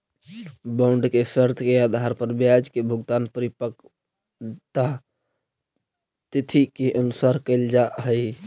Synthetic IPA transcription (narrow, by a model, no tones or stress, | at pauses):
bãʊɳɖkesəɾt̪ʰkead̪ʱaɾpəɾbjad͡ʒkebʱʊɡt̪aːnpəɾɪpək | t̪a | t̪ɪt̪ʰikeʔənʊsaːɾkəɪld͡ʒaɦəi